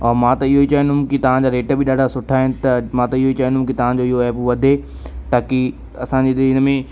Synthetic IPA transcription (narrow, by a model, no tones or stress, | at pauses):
ɔːɾmãt̪ɐɪɦoit͡ɕaːj̃nd̪ʱʊ̃kit̪ɐʋ̤ãd͡ʑaːɾeːʈbɪɗaːɖʱasʊʈʰaːɦɪnɪt̪ɐmãːt̪ɐɪɦoit͡ɕaːj̃nd̪ʊ̃kit̪ɐʋ̤ãd͡ʑoɪɦoɛːpʋɐd̪ʱe | t̪aːki | ɐsãd͡ʑeɪnə̆mẽ